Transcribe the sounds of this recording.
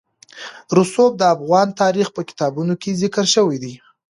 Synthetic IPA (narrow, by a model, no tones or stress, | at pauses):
ɾusob̚d̪əafɣɑnt̪ɑɾixpəkɪ̥t̪ɑbunokezɪkəɾʃəwijd̪i